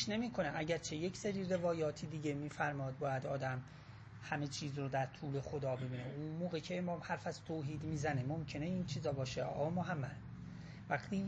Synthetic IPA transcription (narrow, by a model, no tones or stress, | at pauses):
ʃne̞miːkʰo̞næʔæɟæɾt͡ʃʰe̞jecʰseɾiːre̞vɒːjɒːt̪ʰiːd̪iːɟe̞miːfæɾmɒːd̪̚bɒːjæd̪ɒːd̪æm | hæme̞t͡ʃʰiːzrod̪æɾt̪ʰuːle̞xod̪ɒːbe̞biːneʔunmoːɣecʰeːmɒːmhæɾfæzt̪ʰoːɦiːd̪miːzænemomcʰe̞ne̞iːnt͡ʃʰiːzɒːbɒːʃeɒ̰ːmoɦæmːæd̪ | væxt̪ʰiː